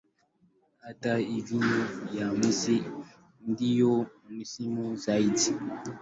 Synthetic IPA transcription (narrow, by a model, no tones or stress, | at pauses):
ataid͡ʒunujamisi | n̩dijomisimuzaiti